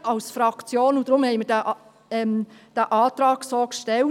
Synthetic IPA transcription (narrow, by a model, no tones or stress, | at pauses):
ɑlsfɾɑkt͡sjoːnud̥̪ɾʊmhɛɪməɾdæʔ | ɛmd̥æʔɑːt̪ɾɑːksoːkʃtɛl